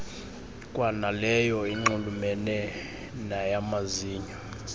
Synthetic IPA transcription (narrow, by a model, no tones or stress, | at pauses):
kʼwanalɛjɔiŋ͡ǃulumɛnɛ | najamaziːɲɔ